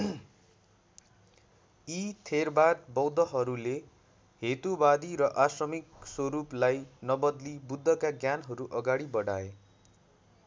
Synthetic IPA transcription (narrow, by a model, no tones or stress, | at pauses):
it̪ʰerbat̪̚bʌwd̪ʌɦʌɾule | het̪ubad̪iɾʌʔasrʌmikswʌɾuplajnʌbʌd̪libud̪ʱːʌkaɡjanɦʌɾuʔʌɡaɽibʌɽae